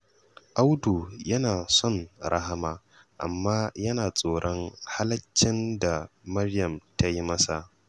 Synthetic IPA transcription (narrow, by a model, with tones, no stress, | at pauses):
ʔa˦wtuː˨jɐ˦naː˨sɔ˦˨nɾa˦ɦa˦maː˨ | ʔa̰˨mːaː˦jɐ˦naː˨sʼoː˨ɽʔɔ˦ŋha˦lɐ˦t͡ʃːɪ˦nda˨mɐ˦rjɐ˨mta˦ji˦mɐ˦sa˨